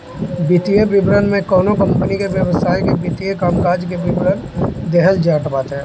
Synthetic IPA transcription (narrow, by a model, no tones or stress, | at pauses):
bɪt̪ijebɪbɾənmẽkɔːnokə̃mpənikeʋjəʋəsaːjkebɪt̪ijekaːmkaːd͡ʒkebɪbɾənd̪eɦəld͡ʒaːʈpaːt̪ɛ̃